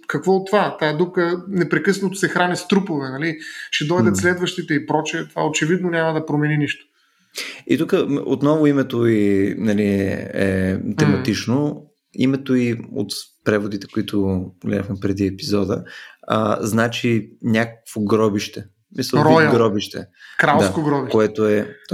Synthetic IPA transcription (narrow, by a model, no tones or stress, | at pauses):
kɐkvɔot̪ːvat̪aɛd̪ukənɛpɾɛkɤsnot̪o̥sɛxɾanist̪ɾupovɛnɐliʃɛd̪ɔjd̪ət̪slɛd̪vɐʃt̪it̪ɛipɾɔt͡ʃɛt̪va̰ot͡ʃɛvid̪nonʲamɐd̪ɐpɾomɛniniʃt̪o̥ | ḭt̪ukəo̰t̪nɔvʊimɛt̪oinɐliɛ̰t̪ɛmɐt̪it͡ʃno | ḭmɛt̪oio̰t̪pɾɛvod̪it̪ɛ̥koit̪ʰʊɡlɛ̰d̪əxmɛpɾɛd̪iɛpizɔd̪ə̰ə̰znat͡ʃinʲakə̥kv̥oɡɾɔbiʃt̪ɛ | smisəlˠɾɔɡɾɔbiʃt̪ɛ̰kɾalˠd̪sakoɡɾɔbiʃkoɛt̪oɛ